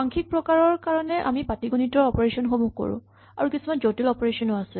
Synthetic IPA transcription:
aŋkʰik̚pɹɔkaɹɔɹkaɹɔnɛʔa̰mipatiɡunitɔɹɔpɔɹesɔnxomuko̰ɹʊ̰̃ | a̰ɹukisumanzotilɔpɔɹesɔnoasɛ

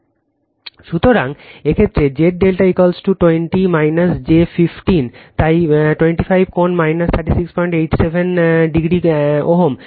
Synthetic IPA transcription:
ʃut̪oɾaŋekʰet̪ːɾed͡ʑeʈ̚ɖelʈaikolsʈuʈweɳʈimajnasd͡ʑefifʈint̪ajʈweɳʈifʰajb̚ʱkonmajnɐst̪ʰaɾʈisikspɔjɳʈejʈsebʱenɖiɡɾioɦom

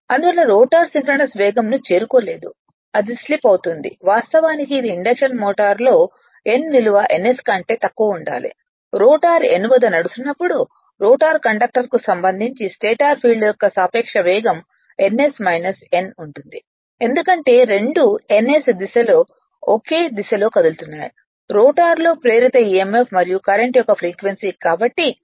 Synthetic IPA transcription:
ɐnd̪uɐlːɐɾoːʈaːɾsimpɾɐnɐsʋɛːɡɐmnut͡ʃe̞ːɾukoːle̞ːd̪u | ɐd̪islipɐwt̪und̪ḭʋaːst̪ɐʋaːnikiːd̪iːɳɖɐkʂɐnmɔːʈaːɾlo̞ː | e̞nʋiluʋɐʔenːe̞skɐɳʈe̞ːt̪ɐkːuɐuɳɖa̰ːlḭ | ɾoːʈaːɾḛnuʋɐd̪ɐnɐɽusunːɐpːuɽu | ɾoːʈaːɾkɐɳɖɐk̚ʈɐɾkusɐmbɐnd̪ʱiɲt͡ʃisʈeːʈaːɾpʰiːɖɖjɔkːɐsaːpɛːkʂɐʋɛːɡɐm | e̞nːe̞smɐjnɐse̞nuɳʈund̪i | e̞nd̪ukɐɳʈe̞ːɾe̞ɳɖue̞nːesd̪iʃɐloː | okeːd̪iʃɐloːkɐd̪ult̪unːaːju | ɾoːʈaːɾlo̞ːpɾeːɾit̪ɐiːemepʰmɐɾijukɐɾeɳʈijɔkɐpʰɾiːkʋensiːkaːbɐʈːi

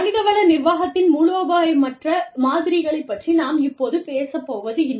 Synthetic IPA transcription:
ɐnɪðɐʋɐlɐnɪɾʋaːɣɐt̪ːɪnmuɻoːbaːjɐmɐʈrɐmaːðɪɾɪɣɐɭɐɪpːɐʈrinaːmɪpːoːðɯpeːsɐpːoːʋɐðɯɪnː

